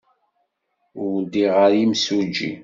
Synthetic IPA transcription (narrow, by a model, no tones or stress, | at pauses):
ʊd̪iʁəɾimsud͡ʒḭ